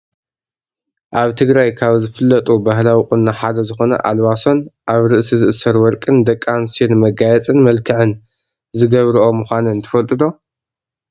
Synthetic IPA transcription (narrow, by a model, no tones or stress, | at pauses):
ʔaβt̪ʰɨɡɾajkʰaβzɨfɨlːɐt̪ʼubaɦlawikʼʊnːaħad̪ɐzɨxo̞nɐ̰ʔalwaso̞nʔaβɾɨʔsizɨʔɨsːɐɾwɔɾkʼɨnd̪ɐkʼːansionmɐɡajɛt͡sʼɨnmɐlkʰɨʕɨn | zɨɡɐβɾɨʔo̞mɨxʷanɨnt̪ʰɐ̥fɐlt̪ʼɨd̪o̞